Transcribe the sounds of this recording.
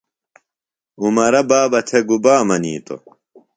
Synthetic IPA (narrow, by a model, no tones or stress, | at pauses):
umɐɾɐbaːbɐt̪ʰeɡubaːmɐnḭːt̪o̰